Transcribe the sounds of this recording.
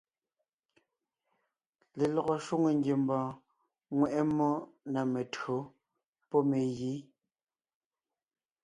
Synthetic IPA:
le˨lɔ˨ɣɔ˨ʃwu˦ŋe˨ŋɡje˨mbɔ̃ː˨ | ŋwɛ˨ʔɛ˦mːɔ˦na˨me˨tɰo˨˦ | pɔ˦me˨ɣiː˨˦

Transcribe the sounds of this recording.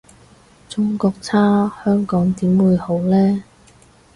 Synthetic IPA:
t͡sʊ˥ŋkɔː˧k̚t͡sʰaː˥hœː˥ŋkɔː˨˥ŋt̪iː˨˥mwuː˨˧jho˨˥wlɛː˥

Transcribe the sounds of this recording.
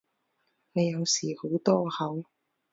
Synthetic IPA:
ne˨˧jɐ˨˧wsiː˨˩ho˨˥wt̪ɔː˥hɐ˨˥w

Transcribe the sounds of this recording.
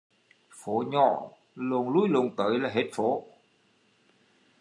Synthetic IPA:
fo˨˦ɲɔ̰˧˨ | lo˨˩ənlu˧˦˥jlu˨˩ŋt̪əː˨˦jlaː˨˩ɦe˦˥t̚fo˨˦

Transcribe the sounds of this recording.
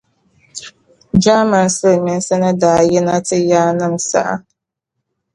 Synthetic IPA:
d͡ʒaː˦ma˨nsɨ˦lmɪ˨n˦sɛ˦nɨ˦daː˨jɛ˦na˦tɨ˦jaː˦nɨ˦msa̰˨ʔa̰˨

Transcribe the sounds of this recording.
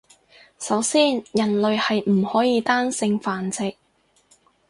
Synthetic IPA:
sɐ˨˥wsiː˥njɐ˨˩nlɵ˨ɥhɐ˨jm̩˨˩hɔː˨˥jiː˧t̪aː˥nsɪ˧ŋfaː˨nt͡sɪ˨k̚

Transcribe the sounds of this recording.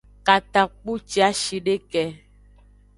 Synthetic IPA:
ka˨t̪a˨k͡pu˦t͡ʃi˦a˦ʃi˨ɖe˦kɛ˨

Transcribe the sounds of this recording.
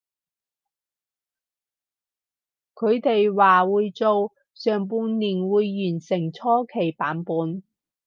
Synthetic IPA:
kʰɵ˨˧ɥt̪e˨jwaː˨wuː˨˧jt͡so˨˧w | sœː˨ŋpuː˧nniː˨˩nwuː˨˧jːyː˨˩nsɪ˨˩ŋt͡sʰɔː˥kʰe˨˩jpaː˨˥npuː˨˧n

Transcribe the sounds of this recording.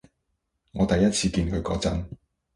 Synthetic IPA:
ŋɔː˨˧t̪ɐ˨jɐ˥t̚t͡sʰiː˧kiː˧nkʰɵ˨˧ɥkɔ̰ː˨˥t͡sɐ˥n

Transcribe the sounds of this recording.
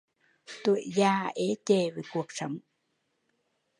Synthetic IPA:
t̪ṵ˧˩˨ə˨jzaː˧˩ʔe˨˦t͡ɕe˧˩veː˨˩˦ku˨˩ək̚sə˨˦wŋ͡m

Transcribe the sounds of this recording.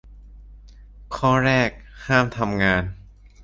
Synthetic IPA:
kʰɔː˥˩ɾɛː˥˩k̚haː˥˩mt̪ʰa˧mŋaː˧n

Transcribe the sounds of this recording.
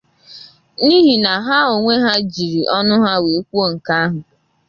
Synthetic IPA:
ni˦ɦi˨na˨ɦa˦o˨ŋʷe˦ɦa˦d͡ʒi˨ɾi˨ʔɔ˦nʊ˦ɦa˦we˨˦kʷu˦o˦ŋ̩˨ka˦a˦ɦʊ˨

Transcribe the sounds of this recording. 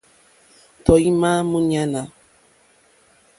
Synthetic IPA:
tɔ˨i˦mã˦mũ˦ɲa˦na˨

